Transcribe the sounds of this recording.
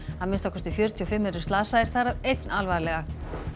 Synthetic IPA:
aðmɪnst̪awkʰɛst̪ʏfjœɾ̥t̪ʰiɔfɪmːɛɾʏ̥saːsaðɪɾ̥θaɾavejt̪nalvaːlɛɣa

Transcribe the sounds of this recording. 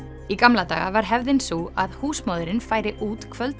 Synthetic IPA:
ikamlat̪a̰ːɣa̰vaɾ̥ɦɛvðɪnsuaðhuːsmaːwðʏɾɪnfaːjɾɪʔuːt̪kʰvœlt̪

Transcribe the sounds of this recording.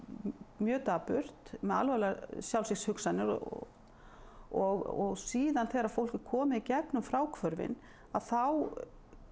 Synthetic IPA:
mjœːt̪apʏr̥t̪mɛða̰lvɛlasjawlsɪkshʏksanːɪɾɔ̰ | ɔɣɔɣsiːðanθeɣaɾaðfowl̥cɪɾkʰɔːmɪðicɛpnʏmfɾaːwkʰvœɾvɪ̰n | aðθaw

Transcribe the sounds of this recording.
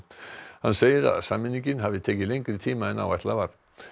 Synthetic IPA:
hanseːjɪɾa̰ðsaːmɪnːiŋcɪnɦavɪt̪ʰeːjcɪlejŋkɾɪt̪ʰiːmaɛnːa̰waht̪lavaɾ̥

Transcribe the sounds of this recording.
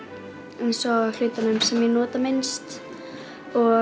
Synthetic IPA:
ejnsɔal̥ʏɥt̪anʏmsɛmjɛnɔːt̪amɪnst̪ | ɔ

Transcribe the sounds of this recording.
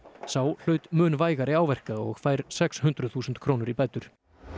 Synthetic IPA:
saːwl̥œːɥt̪mʏːnvaːjɣaɾɪaːwvɛr̥kaɔɣfaːjɾ̥sɛkshʏnt̪ɾʏθuːsʏnt̪kʰɾownʏɾipɛjt̪ʏɾ̥

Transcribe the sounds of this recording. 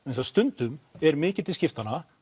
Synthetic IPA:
ensast̪ʏnt̪ʏmɛɾmɪːcɪt̪ɪiscɪft̪anːa

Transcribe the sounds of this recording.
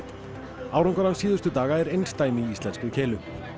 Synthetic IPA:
awɾɔŋkɔɾansiːðʏɾst̪ʏt̪aːɣaɛɾejnst̪aːjmɪiist̪lɛnskʏcʰɛːlʏ

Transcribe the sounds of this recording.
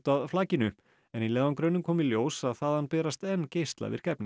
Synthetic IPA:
t̪aðflaːcɪnʏ | ɛnilɛːvankɾœːɥnʏmkʰɔːmɪljoːwsaðθaðhanpɛːɾast̪ɛnceːjst̪la̰vɪ̰ɾ̥kɛpnɪ

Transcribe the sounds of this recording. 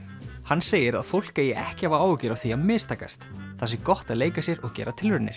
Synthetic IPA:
hanːseːjɪɾa̰ðfowl̥kajɛʔɛhcɪhavaaːwʏcɪɾawθiaðmɪːst̪ʰaːka̰st̪θasɪkɔht̪aðleːjkasjɛɾɔɣcɛ̰ːɾat̪ʰɪlvʏɾnɪ̰ɾ̥

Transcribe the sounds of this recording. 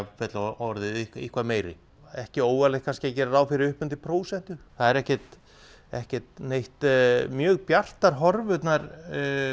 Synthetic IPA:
fɛt̪laɔɾðɪiihkʰvameːjɾɪ̰ | ɛhcɪoːwvalɪkʰanscɪacɛːɾaɾaːwfɪɾɪɾʏhpʏnt̪̬ɪpʰɾoːwsɛn̥t̪ʏθaðɛɾɛhcɛt̪ | ɛ̰hcɛt̪nejht̪mjœːɣpjar̥t̪aɾ̥ɦɔɾvʏt̪naɾ

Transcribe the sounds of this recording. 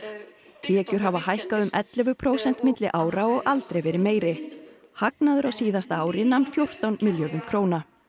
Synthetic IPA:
t̪ʰɛːcʏɾ̥ɦavaɦajhkaðʏmʔɛt̪lɛvʏpʰɾoːwsɛn̥t̪mɪt̪lɪʔaːwɾaɔɣalt̪ɾejvɛːɾɪmeːjɾɪ | haknaðʏɾawsiːðast̪aːwɾɪnanfjowr̥t̪awnmɪljɔɾðʏmkʰɾoːwna

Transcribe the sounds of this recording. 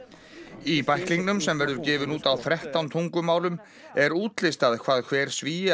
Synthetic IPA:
ipajhkliŋknʏmsɛmvɛɾðʏɾcɪːvɪnuːt̪awθɾɛht̪awnt̪ʰuŋkʏmaːwlʏm | ɛɾuːt̪lɪst̪aðkʰv̥aːðkʰvɛːɾ̥sviː

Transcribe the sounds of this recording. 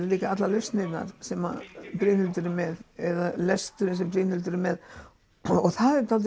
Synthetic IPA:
ɾɪliːkaat̪lalœfst̪nɪt̪na̰ɾ̥sɛma̰pɾiːnʏlt̪ʏɾɪmɛðɛðalɛst̪ʏɾɪnsɛmpɾiːnʏlt̪ʏɾɪmɛð | ɔɣθaðɛɾt̪ʰalt̪

